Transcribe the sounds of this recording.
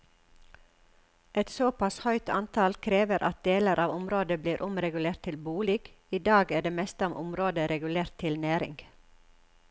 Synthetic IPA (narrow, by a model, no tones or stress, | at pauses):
ɛt̪soːpɑshœʏt̪ʰɑnt̪ʰɑlkʰɾeːʋəɾʔɑ̰t̪̚d̪eːləɾʔɑːʋʊmɾoːd̪əbliːɾʔʊmɾɛɡʉleːɾt̪ʰɪlbuːliːɡ̥ | iːd̪ɑːɡæːɖeːmɛst̪əɔmʔʊmɾoːd̪əɾɛɡʉleːɾt̪ʰːɪlnæːɾɪ̰ŋɡ̥